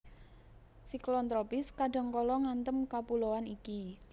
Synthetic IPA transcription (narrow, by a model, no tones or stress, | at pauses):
siklɔnt̪ɾɔpɪskaɖa̤ŋkɔlɔŋant̪əmkapuloaniki